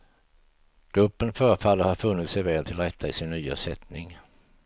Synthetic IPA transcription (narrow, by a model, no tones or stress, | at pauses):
ɡ̥ɾɵpːənfœːɾəfalːəɾhaɾfɵnːɪt̪sɛjvɛːlt̪ʰɪlɾɛt̪ʰːaɪsɪnːyːa̰sɛt̪nɪŋ